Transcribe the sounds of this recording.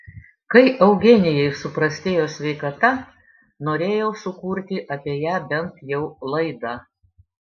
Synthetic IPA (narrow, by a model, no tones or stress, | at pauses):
kɐɪʔɐʊɡʲenʲɪjɛɪsʊpɾɐsʲt̪ʲeːjoːsʲʋʲɛɪkɐt̪ɐ | noːɾʲeːjɛʊsʊkuːɾʲt̪ʲɪʔɐpʲiɛjæːbʲɛnt̪jɛʊlˠɐɪd̪ɑ